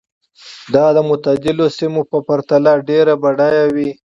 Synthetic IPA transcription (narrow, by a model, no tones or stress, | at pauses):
d̪ɑd̪əmʊt̪ad̪ɪlosimopəpaɾt̪alaɖeɾabaɖajawi